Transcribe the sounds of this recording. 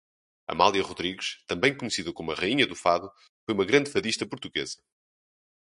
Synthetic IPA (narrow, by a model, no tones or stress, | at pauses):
ɐ̰malˠiɐʁuðɾiɣʃt̪ɐ̃mbɐ̃j̃kuɲsiðɐkomuɐʁɐiɲɐðufaðu | fojumɐɣɾɐ̃nd̪fɐðiʃt̪ɐpuɾt̪uɣezɐ